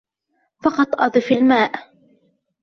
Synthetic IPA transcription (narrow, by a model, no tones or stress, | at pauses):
fɑqɑt̪ˤʔɑd̪ˤɨfalmaːʔ